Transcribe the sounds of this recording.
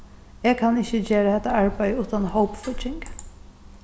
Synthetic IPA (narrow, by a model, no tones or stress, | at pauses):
ɛɡkʰɑnɪçəd͡ʒeːɾəɛt̪əæɹbaɪʉːt̪ɑnhoʊpfɔt͡ʃɪŋɡ